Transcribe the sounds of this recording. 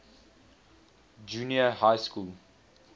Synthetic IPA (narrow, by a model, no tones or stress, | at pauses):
d͡ʒuːniəhaɪskuːl